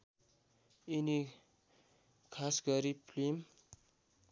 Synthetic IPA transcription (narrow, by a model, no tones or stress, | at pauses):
ini | kʰasɡʌɾipʰlim